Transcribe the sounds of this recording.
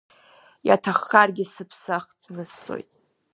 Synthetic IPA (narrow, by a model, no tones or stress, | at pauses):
ja̰tʰaχːarɡʲɪsɨpʰsaχdnɨstʰʼo̰jtʼ